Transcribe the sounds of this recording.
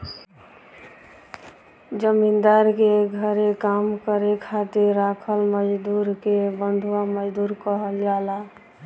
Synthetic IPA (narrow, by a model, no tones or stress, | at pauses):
d͡ʒəmind̪aɾkeɡʱəɾekamkəɾekʰat̪iɾːakʰəlməd͡ʒd̪uɾkebənd̪ʱuwaməd͡ʒd̪uɾkəɦəljala